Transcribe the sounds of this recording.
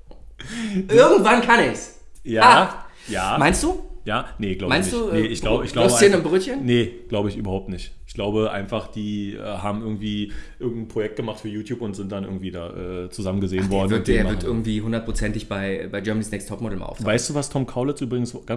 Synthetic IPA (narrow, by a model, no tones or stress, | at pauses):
ʔɪɐɡŋ̩tv̥ankʰanɪçs | jaː | jaːmaɪnstd̥uːjaːneɡ̥laʊmaɪnsd̥uːneʔɪçɡ̥laʊbəɪçɡ̥laʊeːnɪmbʁøçənneɡ̥laʊbəɪçy̰ːbɐhaʊp̚tnɪçtɪçɡ̥laʊbəʔa̰ɪnfaχd̥iːʔɛ̰ːɦaːbm̩ʔɪɐɡŋ̩tv̥iːʔɪɐɡŋ̩tn̩pʁ̥ojɛk̚t̚ɡ̥əmaχtfyːɐjuːtjuːpʊntz̥ɪnt̚d̥anʔɪɐɡŋ̩tv̥iːdaːʔɛ̰ːt͡suzamənɡəzeːnvɔɐdn̩vtːeːɐvɪɐʔɪɐɡŋ̩tv̥iːɦʊndɐt̚pʁ̥ot͡sɛntɪçb̥aɪbaɪd͡ʒœɐmniːsnɛkstʰɔpmɔdl̩mʔa̰ʊftvaɪstd̥uːvastʰɔmkʰaʊlət͡sʔyːbʁɪɡŋ̩sɡ̥an